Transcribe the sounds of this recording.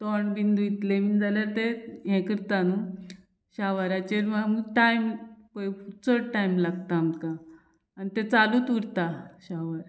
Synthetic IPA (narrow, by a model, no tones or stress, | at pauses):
t̪oɳbind̪ujit̪lemind͡zaljaɾt̪eɦɛ̃kəɾt̪anu | ɕaʋaɾat͡ɕeɾmaməɡʈajmpəjfut͡səʈajmlaɡt̪amkaː | nit̪et͡saluːt̪uɾt̪aɕaʋaɾ